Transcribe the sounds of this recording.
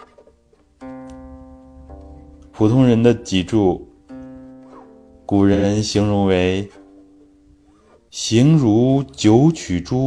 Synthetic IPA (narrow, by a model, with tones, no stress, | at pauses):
pʰu˨˩t̪ʰʊ˥ŋɻə˧˥nd̪ə˧t͡ɕi˨˩ʈ͡ʂu˥˩ | ku˨˩ɻə˧˦˥nɕi˧˥ŋɻʊ˧˥ŋwe˧˥ɪ | ɕi˧˥ŋɻu˧˥t͡ɕjo˧˥ʊt͡ɕʰy˨˩ʈ͡ʂu˥